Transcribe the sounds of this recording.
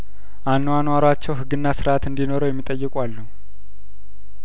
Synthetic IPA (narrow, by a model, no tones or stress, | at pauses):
ʔanːwanwaɾwat͡ʃːɛwɦɨɡːɨnːasɨɾʔat̪ɨnd̪ino̞ɾəwjɛmːit̪ʼəjːɨkʼwalːu